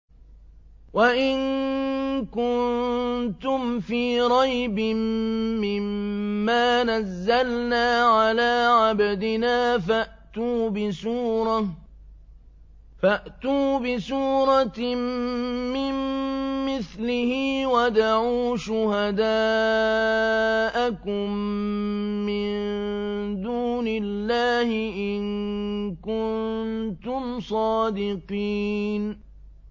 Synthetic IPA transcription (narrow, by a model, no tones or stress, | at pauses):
waʔɪn | kʊnt̪ʊmfiːɾˤɑjbɪmːɪmːaːnazːalnaːʕalaːʕabad̪ɪnaːfaʔt̪uːbɪsuːɾˤɑ | faʔt̪uːbɪsuːɾˤɑ | mɪmmɪθlɪhɪwad̪aʕuːʃʊhad̪aː | ʔakʊmː | ɪn | d̪uːnɪlːaːhɪʔɪnnkʊnt̪ʊmsˤɑːd̪ɪqiːn